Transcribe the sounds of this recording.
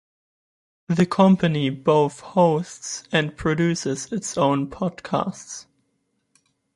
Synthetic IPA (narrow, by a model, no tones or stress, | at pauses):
ðɨkʰʌ̃mpɨniboʊθhoʊstsɨ̃npʰɹ̥ɨdʉsɪzɪtsõʊ̃npʰɔd̥kʰa̰sts